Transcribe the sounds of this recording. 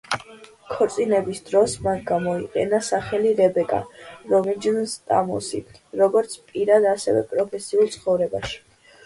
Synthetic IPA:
kʰɔɾt̪sʼinɛbisd̪ɾɔsmanɡamɔiqʼɛ̰nasaχɛliɾɛbɛkʼa̰ɾɔmid͡ʒnst̪ʼa̰musḭɾɔɡɔɾt̪sʰpʼiɾad̪asɛ̰vɛ̰pʼɾɔpʰɛsiulˠt̪sʰχɔvɾɛba̰ʃi̥

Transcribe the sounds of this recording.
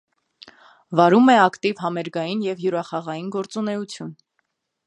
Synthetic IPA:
vɑɾumɛɑkt̪ivɦɑmɛɾɡɑjinjɛvjuɾɑχɑʁɑjinɡɔɾt͡sunɛut͡sʰjun

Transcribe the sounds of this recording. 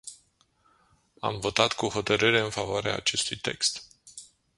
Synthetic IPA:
a̰mvo̞t̪at̪kuho̞t̪əɾɨɾe̞ɨnfavoaɾea̰ːt͡ʃe̞st̪ujt̪e̞̰kst̪

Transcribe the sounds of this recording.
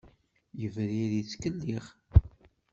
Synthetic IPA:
jəvɾiðit͡sːkəlːiʁ

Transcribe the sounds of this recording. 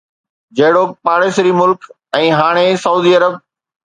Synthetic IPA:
d͡ʑɐɦɪɽoːk̚paːɽeːsɾimʊlk | ɛ̃ːɦaːɽ̃esɐuːd̪iːɐɾəb̚

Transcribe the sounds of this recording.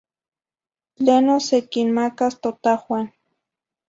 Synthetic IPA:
lenosekinmakast̪ot̪axwan

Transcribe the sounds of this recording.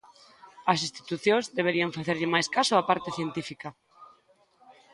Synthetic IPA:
ɐsist̪i̥t̪uθjõŋzðeβ̞eɾiɐɱfaθeɾʎɪmajskasʊapaɾt̪ɪθjent̪ifikɐ

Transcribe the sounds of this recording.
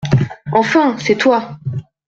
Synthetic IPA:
ɑ̃fɛ̃sɛt̪wa

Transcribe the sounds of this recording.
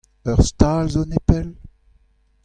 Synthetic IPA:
œʁst̪aːlzonepɛl

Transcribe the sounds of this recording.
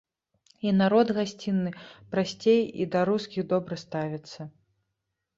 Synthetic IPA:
inaɾɔd̪ɣasʲt͡sʲinːɨpɾasʲt͡sʲejḭd̪ɐɾuskʲiɣd̪ɔbɾɐst̪avʲit̪sːɐ

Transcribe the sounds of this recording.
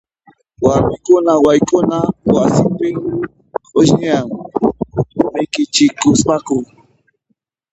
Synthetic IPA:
waɾmɪkʊnawajkʊnawasɪmpɪŋ | koʃnɪjaŋ | ʊmajkɪt͡ʃɪkʊspakʊŋ

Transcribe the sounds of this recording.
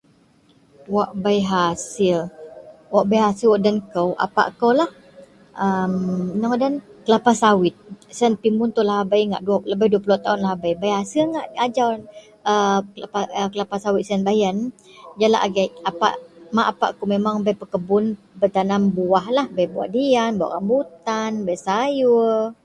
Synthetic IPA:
waʔbajɦasɪlwaʔbajɦasɪlwaʔdankəwʔa̰pa̰ʔkəwlah | əmnəŋdankəlapasawɪt̪̚sanpimʊnt̪ulaɦabajŋa̰ʔduləbajduəpulut̪aunlaɦabajbajɦasilŋaʔad͡ʒa | əklapaəkəlapahsawɪt̪̚sənbajənd͡ʒala̰ʔaɡajapa̰ʔmaʔapa̰ʔkomemaŋbajpəkəbʊn | bət̪anambuahlahbajbua̰ʔdianbua̰ʔkambut̪anbajsaju

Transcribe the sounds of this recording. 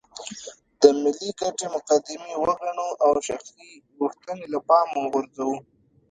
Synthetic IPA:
d̪̥əmɪlːikaʈemʊqad̪ɪmewəɣaɳoʔawʃaxsiɣuxt̪ənelapɑmuɣʊɾzawu

